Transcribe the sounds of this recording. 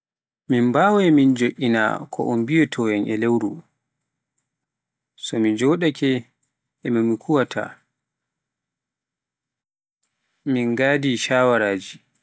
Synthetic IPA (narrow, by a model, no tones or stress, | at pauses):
mimbawɛmind͡ʒoʔʲina̰kʰɔ̰ʔɔmbijɛtʰɔjɛnʔɛ̰lewɾu | sɔmid͡ʒɔɗakʰɛ | ɛmamikʰuwatʰa̰ | minɡaːdiʃaːwaɾaːd͡ʒi